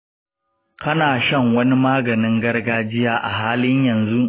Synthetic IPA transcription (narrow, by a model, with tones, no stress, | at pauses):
kɐ˦naː˨ʃɐ˦˨ŋwɐ˦ni˦maː˦ɡɐ˨nɪ˦ŋɡɐ˦rɡaː˦d͡ʒɪ˦jaː˦ʔa̰˨ɦaː˦lɪ˦ɲjɐ˨nzu˦ʔ